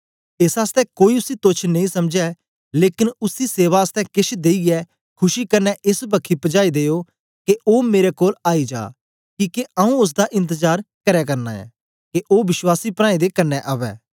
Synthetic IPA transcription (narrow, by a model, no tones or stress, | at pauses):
ɪsaːst̪ɛkoːiʊsit̪ot͡ʃʰnɐĩsɐmd͡ʒɛ | leːkɪnʊsiseːʋaəst̪ɛ̃kɪʃʰd̪eːiɛː | kʰʊʃikɐnːɛʔɪsbɐkʰːipəd͡ʒaːid̪eːo | keʔoːmeːɾɛkoːlaːid͡ʒa̰ː | kiːkeɐũʊs̬d̪aʔɪ̃nt̪əzaːɾkɐɾɛkɐɾna̰ːɛ̰ː | keʔoːʋɪswaːsipɾãːĩd̪ekɐnːɛʔɐːʋɛ̰ː